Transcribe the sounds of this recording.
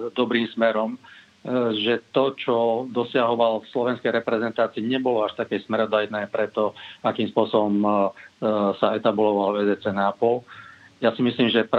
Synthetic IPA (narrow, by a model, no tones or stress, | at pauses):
d̪ɔbɾiːmsmɛɾɔm | ʒɛt̪ɔt͡ʃɔd̪ɔsɪaɦɔʋalfslɔʋɛnskɛjɾɛpɾɛzɛnt̪aːt͡siːɲɛbɔlɔaʃt̪akɛjsmɛɾɔd̪ajnɛːpɾɛt̪ɔakiːmspʊɔsɔbɔm | saɛt̪abulɔʋalɛzɛt͡sɛnaːpɔl | jasimisliːmʒɛp